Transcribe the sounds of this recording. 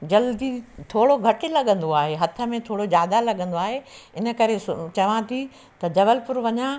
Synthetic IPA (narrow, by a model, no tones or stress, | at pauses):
d͡ʑɐld̪it̪ʰoːɽoɡʱɐʈɪ̆lɐɠə̃nd̪oaːɦeɦɐt̪ʰə̆mẽt̪ʰoːɽod͡ʑjaːd̪alɐɠə̃nd̪oaːɦeɪnə̆kɐɾest͡ɕɐʋãt̪ʰi | t̪ɐd͡ʑɐʋəlpʊɾʋɐɲã